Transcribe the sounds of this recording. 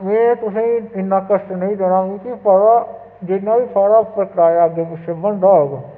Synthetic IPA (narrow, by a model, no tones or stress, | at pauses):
mɛ̃ːt̪ʊsẽɪnːãːkəsʈnəĩːd̪enaːkõːkipʰəɽaː | d͡ʒɪnːãːʋiːpaːɽaːpɾkəʈaːjaːəɡeːpɪsebənd̪aːoɡ